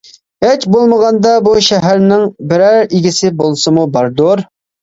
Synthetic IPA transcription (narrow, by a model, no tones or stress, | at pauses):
ɛt͡ʃbolˠməʁɑnd̪ɑbuʃɛɦæɾnɪŋbɪɾæɾiɡʲisɪbolˠsɨmubɑɾd̪oɾ